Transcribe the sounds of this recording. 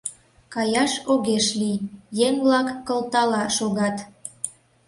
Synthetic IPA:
kɑjɑʃoɣeʃlijjeŋblɑkːəlt̪ɑlɑʃoɣɑt̪

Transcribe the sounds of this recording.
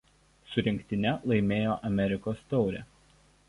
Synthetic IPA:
sʊɾʲɪŋʲkʲt̪ʲɪnʲɛlˠɐɪmʲeːjoːʔɐmʲɛɾʲɪkoːst̪ɒʊɾʲɛ̰

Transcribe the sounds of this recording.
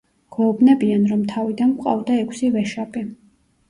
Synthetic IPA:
ɡ̥ɔːbnɛbianɾɔmt̪ʰavid̪anqʼa̰vd̪aɛkʷʰsivɛʃaɡɛ

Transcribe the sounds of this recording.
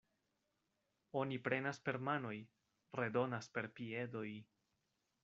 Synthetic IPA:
o̞nipɾe̞naspe̞ɾmano̞j | ɾe̞do̞naspe̞ɾpie̞do̞j

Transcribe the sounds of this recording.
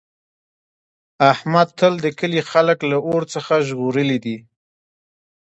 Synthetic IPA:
ahmad̪̚t̪ʰəld̪əkəlixaləklaʔoɾt͡səxaʒɣoɾəlid̪i

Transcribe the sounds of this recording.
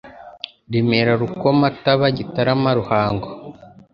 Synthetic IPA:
ɾimeɾaɾukomataβaɟitaɾamaɾuhaːŋɡo

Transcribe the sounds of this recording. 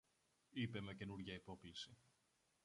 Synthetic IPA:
ipe̞me̞ce̞nuɾʝɐipo̞klisi

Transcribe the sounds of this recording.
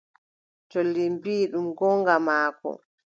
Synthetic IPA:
tɔlːimbiːɗumɡɔŋɡamaːkɔ̰

